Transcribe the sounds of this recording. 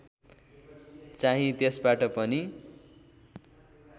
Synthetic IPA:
t͡saɦĩt̪esbaʈʌpʌni

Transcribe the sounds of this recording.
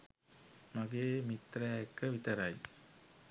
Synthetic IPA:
maɡeːmit̪ːɾɐjaekːəʋit̪əɾɐj

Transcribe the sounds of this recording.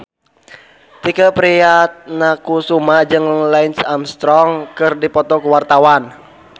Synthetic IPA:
t̪ikəpɾijat̪̚nakusumad͡ʒɨŋlaɪnsamst̪ɾɔŋkɨrdipɔt̪ɔkuwart̪awan

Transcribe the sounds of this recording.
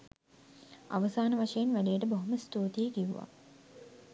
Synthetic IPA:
a̰ʋəsaːnəʋaʃejenʋæɖeːʈəboɦoməst̪uːt̪ijeɡiʋuʋa̰

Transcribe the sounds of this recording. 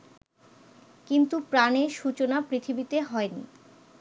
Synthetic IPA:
kint̪upɾaneʃut͡ɕonapɾit̪ʰibit̪eɦɔenḭ

